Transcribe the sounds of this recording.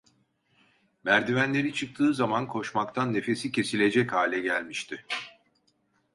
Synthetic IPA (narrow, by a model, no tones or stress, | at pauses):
mæɾd̪ivænlʲe̞ɾit͡ʃʰɯk̚t̪ʰɯːzamankʰo̞ʃmakt̪ʰanːe̞fe̞sicʰe̞silʲe̞d͡ʒɛchaːlʲɛɟælʲmiʃt̪ʰɪ